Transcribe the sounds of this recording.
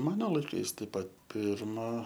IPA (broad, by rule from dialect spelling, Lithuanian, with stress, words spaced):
ˈmɑːnoː lˠɐɪˈkɐɪs ˈtɐɪp ˈpɐt ˈpʲɪrmɐ